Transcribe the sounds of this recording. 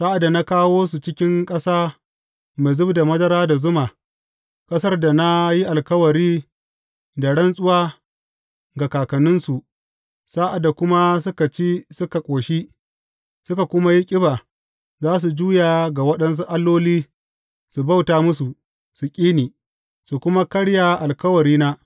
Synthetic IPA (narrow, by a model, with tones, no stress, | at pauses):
saː˦ʔa˨da˨na˦kaː˦woː˦s̬u˨t͡ʃɪ˦kʲɪ˦ŋkʼɐ˦saː˦ | ma˨zʊ˦bda˨mɐ˦dɐ˦ɾaː˦da˨zʊ˦maː˨ | kʼɐ˦sɐ˦rda˨na˦ji˦ʔa˨lkɐ˦wɐ˨ɾiː˦ | da˨ɽɐ˦nsʼʊ˦waː˦ | ɡa˨kaː˨kɐ˨nʊ˦nsu˨ | saː˦ʔa˨da˨kʷʊ˦ma˦sʊ˦ka˨t͡ʃeː˦sʊ˦ka˨kʷʼoː˨ʃi˦ | sʊ˦ka˨kʷʊ˦ma˦ji˦kʲʼɪ˦baː˨ | zaː˦s̬u˨d͡ʒuː˦ja˨ɡa˨wɐ˦ɗɐ˦ns̬u˦ʔa˦lːoː˦liː˦ | su˨ba˦wtaː˦mʊ˦s̬u˨ | su˨kʲʼiː˦niː˨ | su˨kʷʊ˦ma˦kɐ˦ɽja˨ʔa˨lkɐ˦wɐ˨ɾiː˦na˦